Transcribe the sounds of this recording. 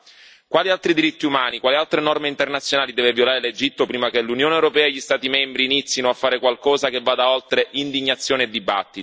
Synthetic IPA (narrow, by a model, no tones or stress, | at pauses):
kwaːlialt̪ɾid̪iɾit̪ːiumaːnikwaːlialt̪ɾenɔrmeint̪ernat̪sjonaːlid̪ɛːvevjolaːɾeled͡ʒit̪ːopɾiːmakelunjoːnewɾopɛːaeʎːist̪aːt̪imɛmbɾiːnit̪sːjinoafːaːɾekwalkɔːzakevːaːd̪aolt̪ɾeʔind̪iɲːat̪sːjoːneed̪ːiba̰t̪ːi